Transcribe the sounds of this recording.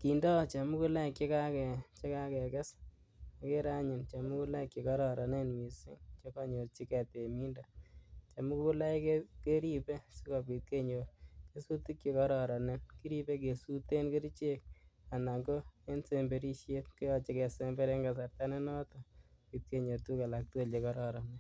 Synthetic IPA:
ki˨ndɔ˦˨t͡ʃa˨mu˦ku˦la˦˨kje˦ka˦kɛ˨t͡ʃe˦ka˦kɛ˨kɛ˦s | a˨ke˦ɾa˦ɲɪ˨nt͡ʃa˨mu˦ku˦la˦kje˨kɔ˦ɾɔ˨ɾɔ˨ne˦nmi˨sɪ̰˦ŋt͡ʃe˦kɔ˦ɲo˨t͡ʃi˦kɛ˨te˨mi˦nda˨t͡ʃa˨mu˦kku˦la˦ɪ˦keke˦ɾi˦pe˦si˦kɔ˨pi˨t̚ke˦ɲo˨ɾke˦su˦tu˦kt͡ʃe˨kɔ˦ɾɔ˨ɾɔ˨ne˦nki˦ɾi˦pe˦k̬e˨su˦te˦nki˦ɾt͡ʃe˦k̚a˨na˨ŋɡo˦e˦nse˦mbe˦ɾi˦ʃje˦t̚kʊ˦jɔ˨t͡ʃɪ˨kɛ˨se˦mbe˦ɾe˦ŋɡa˨sa˨ɾta˦ne˦nɔ˦to˨pi˨t̚ke˦ɲo˨tu˦ka˨la˨k̚te˦le˨kɔ˦ɾɔ˨ɾɔ˨ne˦

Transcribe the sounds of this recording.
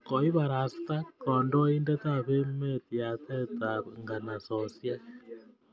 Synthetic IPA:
kɔ˨i˦βa˨ɾa˨st̪a˦kɔ˨ndɔ˦i˦ndɛ˦t̪a˦βe˦me˦˨t̪i˨a˨t̪ɛ˦t̪aŋɡa˨na˨sɔ˨sja˦

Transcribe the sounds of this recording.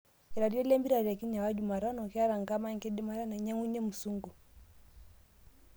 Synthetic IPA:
i˨ɾa˨ɾi˦ɔ˦lɛ˦mbi˦ɾa˨ɾi˨a˨ki˦ɲa˨wa˦d͡ʒu˨ma˨ɾa˦nɔ˨kɛa˦ɾa˨ŋɡa˦ma˦ŋkɛ˦dɛ˦ma˦ɾa˦na˨ɲa˦ŋu˦ɲɛ˦mu˨su˦ŋɡu˨

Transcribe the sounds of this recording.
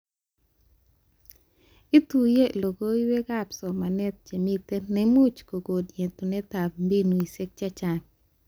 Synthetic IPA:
i˦t̪u˨je˦lo˨ɡo˦i˦we˦ɡa˦psɔ˨ma˨nɛ˦t̪̚d͡ʒe˨mi˦t̪e˦nɛmu˦t͡ʃko˨ɡo˨dje˨nt̪o˨nɛ˦t̪a˨p̚mbi˦nu˨i˨se˦k̚t͡ʃa˦t͡ʃa˨ŋ

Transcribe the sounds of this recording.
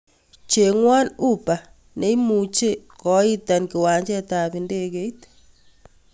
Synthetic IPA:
t͡ʃe˨ŋwa˦nu˦pa˨ | ne˦i˦mu˨t͡ʃe˦kɔ˨˦i˦ta˨nki˨wa˨ɲt͡ʃɛ˦ta˨pi˨nde˦ke˦i˦t

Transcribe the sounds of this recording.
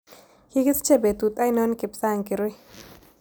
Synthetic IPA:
ki˦kɪ˦st͡ʃe˦˨be˨t̪u˨t̪a˦jnɔ˦nkɪ˨psa˦˨ŋkɪ˨ɾwi˦

